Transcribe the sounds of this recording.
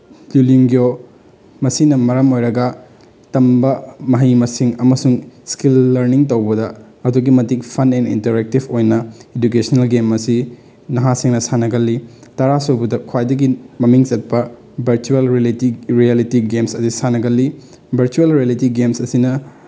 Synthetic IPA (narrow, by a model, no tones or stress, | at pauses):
luliŋɡjo | mɐsinɐmɐɾɐmojɾɐɡɐ | tɐmbɐmɐɦijmɐsiŋɐmɐsuŋskilːɐɾniŋtɐwbɐdɐ | ɐduɡimɐtikpʰɐnɛnḭntɐɾek̚tibojnɐeduk̬esɐnelɡemɐsi | nɐɦasiŋnɐsanɐɡɐlːitɐɾasobudɐkʰwajdɐɡimɐmiŋt͡ʃɐt̚pɐ | bʱɐɾt͡ʃuelɾilitiɾialitiɡemsɐsisanɐɡɐlːi | bʱɐɾt͡ʃuelɾielitiɡemsɐsinɐ